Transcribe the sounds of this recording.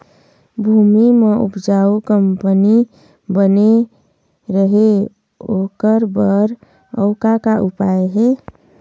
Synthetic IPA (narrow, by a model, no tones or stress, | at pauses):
bʱumimeʔṵpd͡ʒaukəmpəni | bəne | ɾəɦe | okəɾbəɾ | ə̰ʊkakaʔupaeɦe